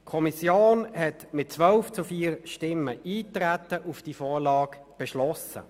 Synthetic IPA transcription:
kʰɔmisjoːnhɛtmɪt̚t͡sʋœlft͡sufiːʁʃtɪmːəʔiːtɾætəʔufd̥ifɔːʁlɑːɡ | b̥ɛʃlɔsə̰

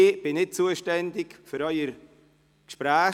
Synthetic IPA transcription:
b̥ɪnɪt̚t͡suəʃtɛndɪkfʏɾœʏəɾ | kʃpɾæː

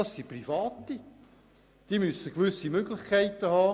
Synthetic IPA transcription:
ɑsːiprifɑːt̪i | d̪̥imysəkʋʏsːimøɡ̥lɪχkʰæɪt̪əhɑː

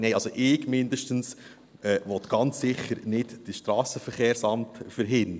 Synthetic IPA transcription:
neɪɑlsoʔɪːɡmɪndəʃtəns | ɛːʋɔt̪ɡ̥ɑnt͡sːɪχːəɾnɪdd̥əʃtɾɑːsəfəɾχeːɾsɑmtfəɾɦɪn

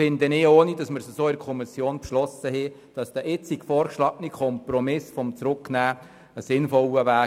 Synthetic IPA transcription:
ɪnd̪ənɪːoːnid̥ɑsmɪɾsəsoːɪɾkʰɔmɪsjoːnpʃlɔsəhɛ | d̥ɑsd̥̪əʔɪt͡sikfɔːɾkʃlɑːɡnikʰɔmpɾɔmɪsfɔmt͡sɾʊkːnæː | əsɪnfɔləʋæː

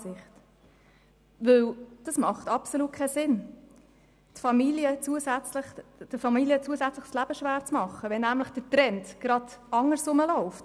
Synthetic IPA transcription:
sɪχt | ʋɵld̥ɑsmɑχtɑpsoluːt̚kʰɛsɪn | tfɑmiljət͡suəsæt͡sləχd̥əfɑmiliət͡suəsæt͡sləχslæb̥əʃʋæːɾt͡smɑχːəʋɛnːæmləχd̥ətɾɛntɡ̥ɾɑd̥ɑŋːəɾsʊməlɔʊft

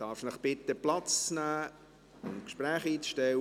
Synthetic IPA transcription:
d̥ɑːɾfʃnəχb̥ɪt̪əplɑt͡st͡snæː | ʊntkʃpræːχiːt͡sʃtɛw

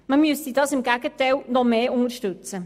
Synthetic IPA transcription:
məmyəstidɑːsɪmɡæɡətɛɪlnɔmeːʊŋəɾʃtʉt͡sə

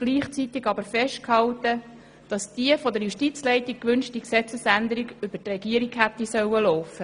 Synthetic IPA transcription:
ɡ̥liːχt͡sit̪ɪɡɑbəɾfɛʃt̚khɑwtə | d̥ɑsd̥iəfɔdəɾjuʃtit͡slɛɪtik̚kʋʏnʃtiksɛt͡səsænd̪əɾiɡʏb̥ətrɛɡiəɾiɡhæt̪ːisœwəlɔʊfə

